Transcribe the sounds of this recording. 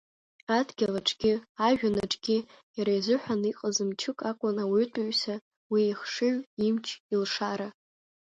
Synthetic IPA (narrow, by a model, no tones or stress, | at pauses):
adɡʲalaʈ͡ʂʰʼɡʲɪaʒᶣanaʈ͡ʂʼɡ̥ʲɪ | jaɾajzʷʊħʷᶣaniqʼəzɨmt͡ʃʰɨkʼakʷʼʊnawtʼʊɥsa | wiiχʂɨɥimt͡ʃʰilʂaɾa